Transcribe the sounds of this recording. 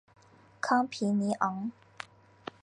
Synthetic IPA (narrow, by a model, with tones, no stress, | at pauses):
kʰɑ˥ŋpʰi˨˦ni˨˦ʔɔ˨˥˦ŋ